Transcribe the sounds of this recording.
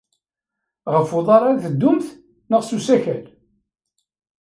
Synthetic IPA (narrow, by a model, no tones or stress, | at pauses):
ʁəfʊðˤɑɾˤaθəd̪ːʊmθ | nəʁsusæçæl